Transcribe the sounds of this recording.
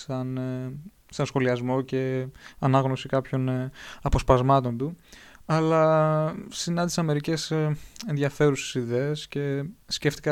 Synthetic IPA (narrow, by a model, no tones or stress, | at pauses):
sɐn | sɐnsxo̞liɐzmo̞ce̞ɐnɐɣno̞sikɐpço̞nɐpo̞spɐzmɐt̪o̞nd̪uɐlɐ | sinɐnd̪isɐme̞ɾice̞se̞nðɐfe̞ɾuse̥siðeesce̞sce̞ft̪i̥kɐ